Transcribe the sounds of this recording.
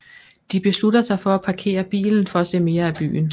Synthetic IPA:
d̥ib̥e̝sludɐsɑ̈ɪfɒ̽æpʰɑ̈kʰe̝̰ːɐb̥ḭːln̩fɒ̽æse̝̰ːme̝ːɐæb̥y̰ːn̩

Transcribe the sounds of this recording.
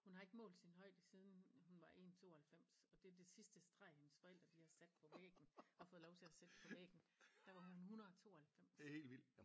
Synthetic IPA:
hunhɑ̈e̝ɡ̥əmɔ̰̽ːld̥sinɦɒ̽ɪ̰d̥əsið̞ˠn̩hunʋɑ̈ʔe̝̰nt͡sʰo̝̰ːhælfem̰sɒ̽d̥e̝ɐd̥e̝sisd̥əsd̥ʁɑ̈ɪ̰hensfɒ̽el̰d̥ʁɐd̥ihɑ̈sed̥̚pʰɒ̽ʋḛːɡ̥n̩ɒ̽fɔ̽ːðˠlɒʊt͡sʰe̝æsed̥pʰɒ̽ʋḛːɡ̥n̩d̥æʋɑ̈ɦuhunhunɐðˠɒt͡sʰo̝̰ːhælfem̰she̝̰ːlʋil̰̥

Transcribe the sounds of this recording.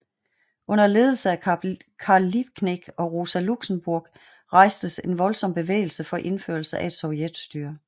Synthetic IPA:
ɔ̽n̰ɐle̝ːð̞ˠl̩səækʰɑ̈lib̥̚kʰneɡ̥ɒ̽ʁo̝sæluɡ̥səmb̥uɐ̰ɡ̥ | ʁɑ̈ɪ̰sd̥əse̝nʋɒ̽lsɒ̽m̰b̥e̝ʋḛɪl̩səfɒ̽ʔe̝nfø̰ɐlsəʔæe̝d̥sɒʊjed̥sd̥yɐ

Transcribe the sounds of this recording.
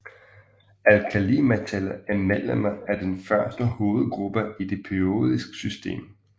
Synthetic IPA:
ælkʰælimæt͡sʰelɐæɐmel̰əməæɐd̥enfɶɐsd̥əho̝ːð̞̩ˠɡ̥ʁub̥əid̥e̝pʰio̝̰ːð̞ˠisɡ̥ə̥sysd̥e̝̰ːm

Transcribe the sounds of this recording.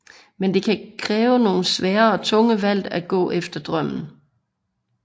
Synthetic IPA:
mend̥e̝kʰækʰʁɛːʊəno̝ːn̩sʋɛːɐɒ̽t͡sʰɔ̽ŋəʋæl̰d̥æɡ̥ɔ̰̽ːʔefd̥ɐd̥ʁɶm̰n̩

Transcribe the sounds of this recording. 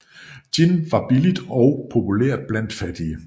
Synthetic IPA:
d̥inʋɑ̈b̥ilid̥ɒʊpʰo̝pʰulḛɐ̰d̥̚b̥læn̰d̥fæd̥iə

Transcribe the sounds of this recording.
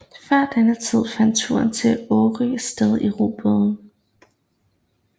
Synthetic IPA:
fɶɐ̰d̥enət͡sʰið̞̰ˠfæn̰d̥̚t͡sʰṵɐnt͡sʰe̝ɔːʁi̥sd̥eð̞ˠiʁṵːb̥oðˠn̩

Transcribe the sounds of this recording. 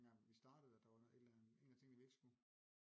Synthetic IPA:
æʋisd̥ɑ̈ːd̥əð̩ˠɒd̥ɑ̈ʋɑe̝d̥lænðe̝̰ːnæt͡sʰe̝ŋ̰d̥iʋieɡ̥sɡ̥u

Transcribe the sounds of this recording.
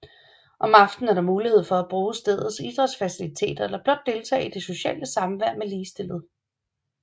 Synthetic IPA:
ʔɒ̽mɑ̈fd̥n̩æɐɾ̥ɑ̈muːlihe̝ð̞̰ˠfɒ̽æb̥ʁuːsd̥eð̞ˠð̩ˠsid̥ʁɐd̥sfæsilit͡sʰe̝̰ːd̥ɐelɐb̥lɒ̽d̥ːe̝lt͡sʰɛ̰ːid̥e̝so̝ɕɛ̰ːləsɑ̈məʋæɐ̰meliːsd̥e̝lð̞̩ˠ

